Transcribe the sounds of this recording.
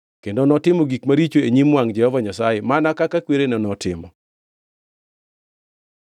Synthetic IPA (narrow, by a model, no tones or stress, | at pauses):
kendonɔtɪmɔɡikmaɾit͡ʃoeɲimwaŋd͡ʒɛhɔvaɲasajɛmanakakakweɾenɔnɔtɪ̰mɔ̰